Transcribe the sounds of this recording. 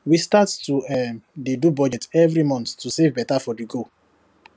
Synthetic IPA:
wistattuɛdedubɔd͡ʒɛtɛvɾimɔ̃nttːusevbɛtafɔdiɡo

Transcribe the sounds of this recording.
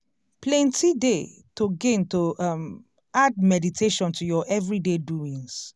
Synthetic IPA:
plɛ̃ntʰide | toɡẽntoam | ad̚mɛditʰeʃɔ̃ntʰujɔʔɛvɹideduĩŋs

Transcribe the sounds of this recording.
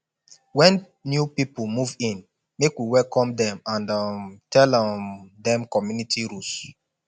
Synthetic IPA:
wɛ̃n | njupipumuvĩn | mekwiwɛlkɔ̃mdɛ̃mãndamtʰɛladɛ̃mkɔmjunitʰiɾus

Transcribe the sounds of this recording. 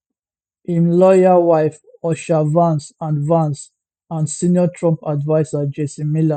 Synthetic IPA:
ĩnlɔjawaɪf | ɔʃavãnsãnvãns | ãnsĩnjɔtʰɹɔ̃mpadvaɪsad͡ʒesĩmila

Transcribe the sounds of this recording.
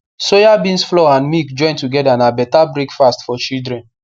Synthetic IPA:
sojabĩnsflɔãnmikd͡ʒɔ̃ɪ̃ntuɡɛdanabɛtabɹekfastfɔt͡ʃidɾɛ̃n

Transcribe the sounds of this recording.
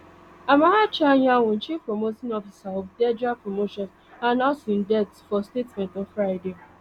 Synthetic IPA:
amaɦat͡ʃaɲawon̩t͡ʃifpɾomotĩnɔfisaɔfdɛd͡ʒapɹomoʃɔ̃ns | anaʊsĩn̩dɛtfɔstetmɛ̃ntɔvfɾaɪde

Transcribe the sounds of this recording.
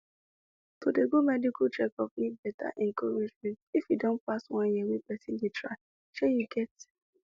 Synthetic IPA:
tʰodeɡomɛdikatɹɛkɔpnibɛta̰ʔɛ̃ŋkɔɹed͡ʒmɛ̃ntifjidõnpastwãnjiwepɛsĩndetɹa̰ɪ | ʃejuɡɛt

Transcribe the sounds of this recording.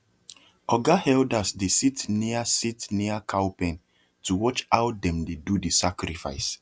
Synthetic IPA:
ɔɡahɛldasdesitniasitniakʰawpɛ̃n | tuwɔt͡ʃawdɛ̃mdedudisakɾifa̰ɪs

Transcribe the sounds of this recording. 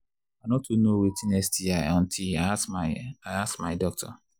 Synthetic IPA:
anɔtunowetĩnɛstiaɔ̃n̩tʰiaaaassmadɔk̚tʰɔ̰

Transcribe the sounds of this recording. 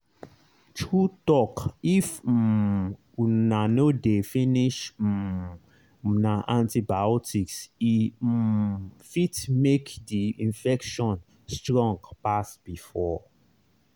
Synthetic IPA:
tʰɹutɔkif | nanodefĩniʃ | naʔãntibaɔtiksi | fitmekdiĩnfɛkʃɔ̃n | stɹɔ̃ŋɡpasb̥ifɔ

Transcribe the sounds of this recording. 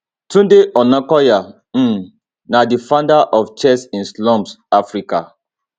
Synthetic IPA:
tũdeʔɔnãkɔja | m̩ | nadifãndaʔɔft͡ʃɛsĩnslɔ̃msafɹika̰

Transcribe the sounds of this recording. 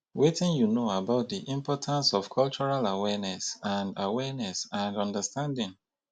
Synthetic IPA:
wetɪ̃njunoabaʊt̚diʔĩmpɔtʰãnsɔfkʰɔlt͡ʃɔɹalawɛnɛsãndawɛnɛsãndɔ̃ndəstãndɪ̃ŋ

